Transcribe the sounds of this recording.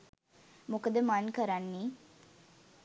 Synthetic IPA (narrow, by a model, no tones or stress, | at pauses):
mokəd̪əmankəɾanːiː